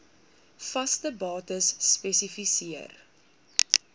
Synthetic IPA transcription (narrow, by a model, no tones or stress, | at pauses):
fɐstəbɑːtəsːpɛsifisiər